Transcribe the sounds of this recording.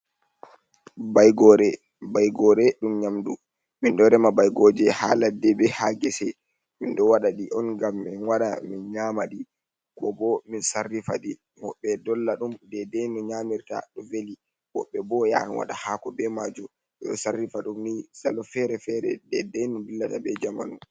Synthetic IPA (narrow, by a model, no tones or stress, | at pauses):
bajɡɔɾɛ | bajɡɔɾɛɗumɲamdu | minɗɔɾɛmabajɡɔd͡ʒɛhaːladɛbɛhaɡɛsɛ | minɗɔwaɗaɗiʔɔnɡamːinwaɗa̰minɲaːmaɗi | kɔbɔminsarːifa̰ɗi | mɔɓɛdɔlːaɗumdɛdɛjnɔɲamiɾta̰ɗɔveli | wɔɓɛbɔja̰nwa̰ɗahakɔbɛmad͡ʒu | ɓɛɗɔsarːifaɗumnisalɔfɛɾɛfɛɾɛ̰dɛdɛjnumbilːatabɛd͡ʒama̰nu